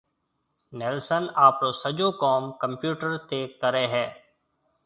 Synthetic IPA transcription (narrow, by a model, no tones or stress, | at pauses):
nɛːlsənaːpɾoːsəd͡ʒoːkɔːmkə̃mpjuːʈəɾt̪eːkəɾeːɦɛː